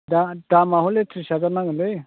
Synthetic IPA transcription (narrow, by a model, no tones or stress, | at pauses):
dad̥amaɦɔletʰɾisazanaŋɯlɯj